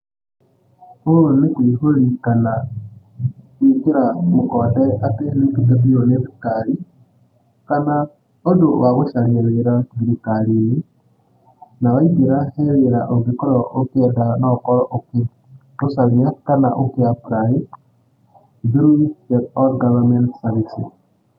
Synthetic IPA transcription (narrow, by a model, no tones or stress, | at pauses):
oonekwiɦoɾikana | ikeɾamokɔdɛatenekidabioneβikaɾi | kana | odowaɣoʃaɲaɾeɾaɡiɾikaɾini | nawaiɡeɾahɛɾeɾaʔoɡekɔɾɔʔokeɛdanɔkɔɾɔʔoke | osaɣiakana̰ʔokeapɾai | ðuɾuidɛdɔɾɡavamɛntsaβisi